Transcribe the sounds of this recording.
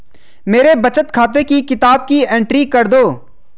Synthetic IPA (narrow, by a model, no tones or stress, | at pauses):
meːɾebɐt͡ʃət̪kʰaːt̪ekikɪt̪aːb̚kiẽːɳʈɾikɐɾd̪oː